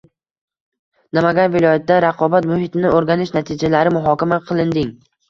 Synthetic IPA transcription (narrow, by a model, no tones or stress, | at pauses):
namaɡʲanvɪlˠɒjat̪̚d̪aɾɑqʰɒbat̪mʊhɪt̪ʰɪnɪoɾɡʲanɪʃnat̪ʰɪd͡ʒalaɾɪmʊɦɒkʲamaqʰɨlˠɪnd̪ɪŋ